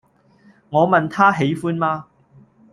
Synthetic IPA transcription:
ŋɔː˨˧mɐ˨nt̪ʰaː˥ɦe˨˥jfuː˥nmaː˧

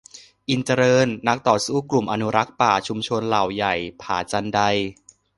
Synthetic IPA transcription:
ʔi˧nt͡ɕa˧ɾɤː˧nːa˦˥k̚t̪ɔː˨˩suː˥˩klu˨˩mʔa˧nu˦˥ɾa˦˥k̚paː˨˩t͡ɕʰu˧mt͡ɕʰo˧nla˨˩wja˨˩jpʰaː˩˦t͡ɕa˧nda˧j

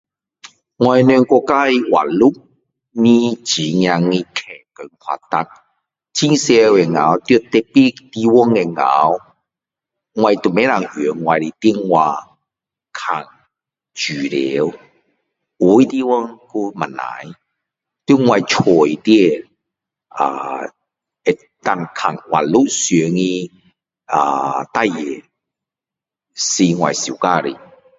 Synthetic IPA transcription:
ŋwa˧jnɛ˧ŋkɔ˧ka˦i˧wa̰˨lu˦ | nĩ˦t͡ɕi˨˦ŋj̃a˧ŋĩ˧kʰɛ˨˩kə˨˩ŋkʰa̰˧˨t̪a˦k̚ | t͡ɕi˦ŋse˧we˨˩ŋa̰˨˦wt̪ju˥˧t̪ɛ˧pi˦t̪i˧wɔ˦ŋe˨ŋa̰˨˦w | ŋwa˧jt̪u˨mẽ˦la˨ŋø˨˦ŋwã˧jli˨t̪i˦ŋːwa˧ | kʰa˨˩ŋ | t͡ɕy˨˩ɾe˨˦w | u˨˧˦i˦t̪i˧wɔ˦ŋku˧ma˨nːa̰˨˦j | t̪i˧˦ŋwa˧jt͡ʃʰɔ˨˩jt̪jɛ˥˧ | a̰˨˩ | e˧ | t̪a˧ŋkʰa˨˩ŋwa̰˨˩nlu˦sjɛ˨˦ŋĩ˧ | a̰˨˩t̪a˥˧˨je˨ | si˧ŋwa̰˨jsi˨ka˧ɾḭ˨˩

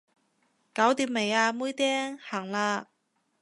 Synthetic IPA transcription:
kaː˨˥wt̪iː˨˥m̚me˨˩jaː˧muː˥jt̪ɛː˥ŋhaː˨˩ŋlaː˧

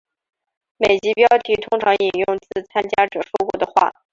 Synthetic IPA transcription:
me˨˩ɪt͡ɕi˧˥pjɑ˥ʊt̪ʰi˧˥t̪ʰʊ˥ŋʈ͡ʂʰɑ˧˥ŋi˨˩njʊ˥˧ŋt͡sɹ̩˥˩t͡sʰa˥nt͡ɕja˥ʈ͡ʂɤ˨˩ʂwɔ˥kwɔ˧˥d̪ə˧xwa̰˥˩

